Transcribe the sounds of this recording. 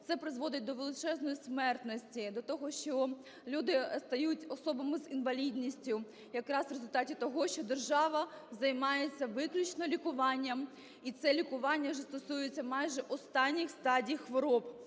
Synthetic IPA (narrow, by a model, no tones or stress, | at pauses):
t̪sɛpɾɪzʋɔd̪ɪt̚ʲd̪ɔʋelˠɪt͡ʃɛznɔjismɛrt̪nɔsʲtʲid̪ɔt̪ɔɦɔʃt͡ʃɔ | lʲud̪ɪst̪ɐjutʲɔsɔbɐmɪzinʋɐlʲid̪ʲnʲisʲtʲʊ | jɐkɾɑsʋɾezʊlʲt̪ɑtʲit̪ɔɦɔʃt͡ʃɔd̪erʒɑʋɐzɐjmɑjet͡sʲːɐʋɪklʲut͡ʃnɔlʲikʊʋɑnʲːɐm | it̪sɛlʲikʊʋɑnʲːɐwʒɛst̪ɔsujet͡sʲːɐmɑjʒɛʔɔst̪ɑnʲːixst̪ɑdʲijxʋɔɾɔp